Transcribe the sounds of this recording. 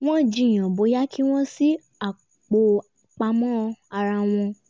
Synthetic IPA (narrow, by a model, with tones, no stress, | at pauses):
w̃ɔ̃˦d͡ʒĩ˧˦˨j̃ã˨bo˨˦ja˦kʰi˦w̃ɔ̃˦si˦ | a˦˨ | k͡po˧˦ | k͡pa˧mɔ̃˦˧a˧ɾa˧w̃ɔ̃˧